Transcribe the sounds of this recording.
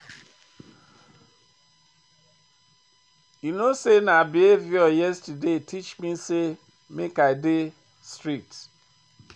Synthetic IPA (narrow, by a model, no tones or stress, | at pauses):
junõsenãabɪevɪɔjɛstədetʰit͡ʃmĩse | mɪ̃kaɪdɪ | stɹik̚t